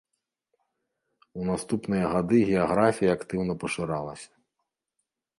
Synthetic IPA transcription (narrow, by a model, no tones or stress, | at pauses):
unast̪upnɨjɐɣad̪ɨɣʲɛaɣɾafʲijɐakt̪ɨwnɐpɐʂɨɾalˠɐ̰sʲɐ̥